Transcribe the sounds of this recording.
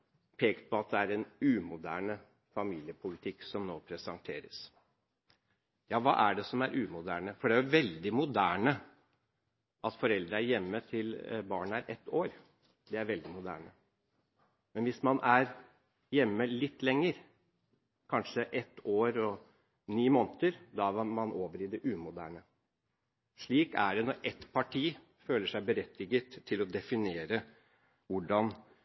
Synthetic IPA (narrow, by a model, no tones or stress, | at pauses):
pʰeːkt̪pʰɔɑt̪̚d̪ɛæɾɛnʉːmʊd̪æ̰ːɳə | fɑmiːlɪəpʰʊlɪt̪ʰɪkːsɔmnoːpʰɾɛsɑŋt̪ʰeːɾəs | jɑːʋɑ̰ːʔæɖɛsɔmæɾʔʉːmʊd̪æ̰ːɳəfɔɖɛæjʊʋɛld̪ɪmʊd̪æːɳə | ʔɑt̪fɔɾɛld̪ɾəæɾjɛmːət̪ʰɪlbɑːɳəæɾʔɛt̪ːoːɾ | d̪ɛæɾʋɛld̪ɪmʊd̪æ̰ːɳə | mɛnʋɪsmɑnʔæɾ | jɛmːəlɪt̪ːlɛŋːəɾ | kʰɑnʂəʔɛt̪ːoːɾɔ | niːmoːnt̪əɾd̪ɑmɑnʔoːʋəɾɪd̪ɛʔʉːmʊd̪æ̰ːɳə | ʂɭiːkæ̰ɖɛnɔɾʔɛt̪pʰɑʈʰiː | føːləʂæɪbəɾɛt̪ʰːɪɡət̪ʰːɪlɔd̪ɛfɪneːɾə | ʋʊɖɑn